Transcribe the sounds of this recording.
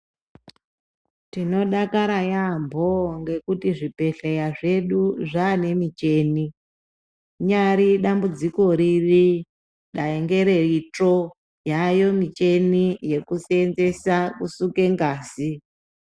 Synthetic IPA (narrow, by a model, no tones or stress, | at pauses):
tino̞ɗakaɾajambʱoŋɡe̞kutiʐipe̞ɬejaʐe̞ɗuʐaːne̞mit͡ʃe̞ːni | ɲaɾiɗambud͡ziko̞ɾiri | ɗaeŋɡe̞ɾe̞ito | jajo̞mit͡ʃe̞nije̞kusenze̞sakusuke̞ŋɡaːzi